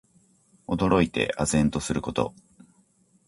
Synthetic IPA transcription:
o̞d̪o̞ɾo̞it̪e̞̰ʔazẽ̞nt̪o̞sɨɾɯ̟ko̞t̪o̞̰

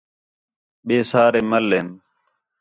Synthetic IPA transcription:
ɓeːsaːɾeːməlːeːn

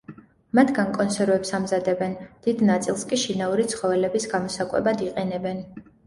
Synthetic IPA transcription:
mat̪ʰɡaŋkʼɔnsɛɾvɛpsamzad̪ɛbɛnd̪̥id̪nat̪sʼilˠskʼiʃinauɾit̪sʰχɔvɛlɛbisɡamɔsakʼwɛ̰bad̪iqʼɛnɛbɛn

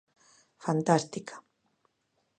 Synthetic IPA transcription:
fant̪ast̪ikʰḁ

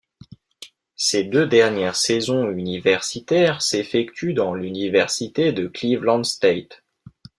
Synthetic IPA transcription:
sed̪ød̪ɛʁnjɛʁsɛzɔ̃ynivɛʁsit̪ɛʁsefɛkt̪ʰyd̪ɑ̃lynivɛʁsit̪ed̪əklivlɑ̃d̪st̪et̪

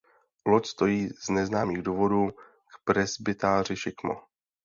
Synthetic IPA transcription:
locst̪o̞jiːz̥nɛznaːmiːɣduvo̞duː | kpɾɛzbɪt̪aːr̝ɪʃɪkmo̰

